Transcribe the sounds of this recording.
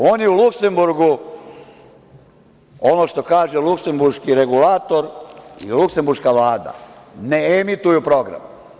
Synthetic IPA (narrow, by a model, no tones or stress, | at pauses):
oːnjeulukse̞mbuɾɡu | o̞noʃt̪o̞kaːʒelukse̞mbuɾʃkiɾe̞ɡulaːt̪o̞ɾḭlukse̞mbuɾʃkaʋlaːd̪a̰neemit̪ujupɾo̞ɡɾa̰m